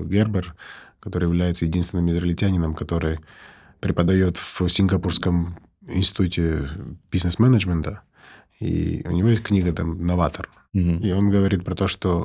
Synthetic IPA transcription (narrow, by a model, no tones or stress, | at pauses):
ɡʲerbərkɐt̪o̞ɾɨjɪvlʲæjɪt̪səjɪdʲinst̪vʲɪnɨmɪzɾəɪlʲtʲænʲɪnəmkɐt̪o̞ɾɨj | pɾʲɪpəd̪ɐjo̞t̪v̥sʲɪnɡɐpurskəm | ɪ̰nstʲɪ̥t̪utʲɪb̥ʲiznəsmɛnəʐmʲɪnt̪ə | ḭʊ̰nʲɪvʲojest̚ʲknʲiɡət̪amnːɐvat̪ər | io̞nɡəvɐɾʲit̪̚pɾɐt̪o̞ʂt̪o